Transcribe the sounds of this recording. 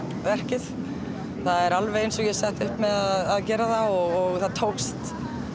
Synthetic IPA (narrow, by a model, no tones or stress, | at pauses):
vɛr̥cɪθ | θaðɛɾalvɛejnsɔɣjɛsɛht̪ʏhpmɛðaðaðcɛːɾaθaɔɣɔɣθaðt̪ʰowkst̪